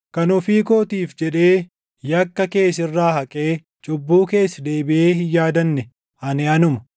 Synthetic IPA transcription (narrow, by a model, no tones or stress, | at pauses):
kɐnʊfiːko̞ːt̪iːfd͡ʒɛᶑe̞ː | jɐkːɐke̞ːsɪrːaːhɐkʼeː | t͡ʃʼʊbːuːke̞ːsːɐd̪eːbɪʔe̞ːhɪjːaːd̪ɐnːɛ | ɐnɪɐnʊmɐ̥